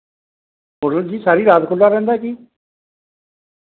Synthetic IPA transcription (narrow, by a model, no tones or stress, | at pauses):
mʊɾəld͡ʒiːsaːɾiɾaːt̪kʊlːaɾɛ̃ːnd̪akiː